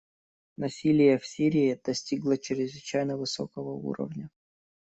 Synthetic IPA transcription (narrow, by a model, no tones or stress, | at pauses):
nɐsʲilʲɪjəfsʲiɾʲɪɪd̪̥ɐsʲtʲiɡlˠət͡ɕɪɾʲɪzvɨt͡ɕæjnəvɨso̰kəvəṵɾə̰vnʲə